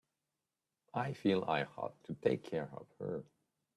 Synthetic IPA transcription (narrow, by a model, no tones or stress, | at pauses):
ʔaɪfilˠa̰ɪhɑ̰tʰɨtʰeɪkʰɛɹʌ̰v̥hə̰˞